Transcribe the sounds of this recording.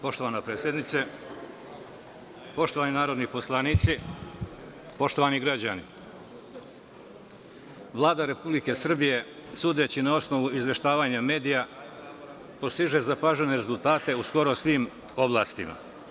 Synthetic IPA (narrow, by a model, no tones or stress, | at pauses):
po̞ʃt̪o̞ʋanapɾesʲjed̪nit̪se | po̞ʃt̪oaːninaːɾo̞d̪nipo̞slˠaniːt̪si | po̞ʃt̪o̞ʋaniɡɾad͡ʑani | ʋlˠaːd̪aɾe̞publike̞sr̩bije̞suːd̪e̞t͡ɕinao̞sno̞ʋuizʋe̞ʃt̪aːʋaːɲame̞ːd̪ija | po̞st̪iʒe̞zapaʒene̞ɾe̞zult̪aːt̪e̞usko̞ɾo̞sʋim | o̞blˠa̰ːst̪ima̰